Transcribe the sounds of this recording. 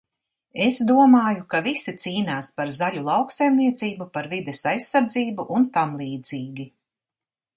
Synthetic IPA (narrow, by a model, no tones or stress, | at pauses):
e̞sd̪uɔmaːjukavisit̪siːnaːspaɾzalʲulˠɑwksajmniɛt̪siːbupaɾvid̪esajsːaɾd̪ziːbuʔunt̪amlˠiːd̪z̥iːɡʲi